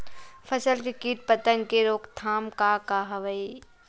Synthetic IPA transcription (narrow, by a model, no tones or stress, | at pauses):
pʰɐsəlkekiːʈ̚pət̪əŋɡkeɾoːkt̪ʰaːmkakaɦɐʋəi